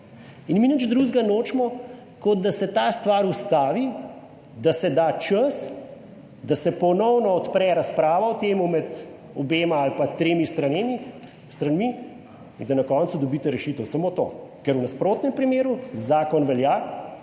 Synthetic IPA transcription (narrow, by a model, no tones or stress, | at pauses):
inminəd͡ʒd̪ɾuzɡanoːt͡ʃmɔ | kɔd̪̚d̪asɛt̪aːst̪ʋaɾust̪aːʋi | d̪asɛd̪aːt͡ʃəs | d̪asɛpɔnɔwnɔːt̪pɾɛɾaspɾaːʋawt̪eːmumɛd̪ | ɔbeːmaːlpat̪ɾeːmist̪ɾanemi | st̪ɾanmi | ind̪ɐnɐkɔːnt̪sud̪ɔbiːt̪ɛɾɛʃiːt̪əwsɐmoːt̪o̰kɛɾuwnaspɾoːt̪nɛmpɾimeːɾuzaːkɔnʋɛljaː